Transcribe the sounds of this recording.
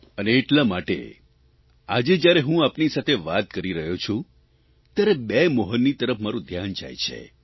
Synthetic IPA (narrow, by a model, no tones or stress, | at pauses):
əneːʈlamaʈḛ | ad͡ʒed͡ʒjaɾeɦũapnisat̪ʰeʋat̪̚kəɾiɾəɦjot͡ʃʰũ | t̪jaɾebemɔɦənːit̪əɾəfʰmaɾũd̪ʱjand͡ʒa̰jt͡ʃʰḛ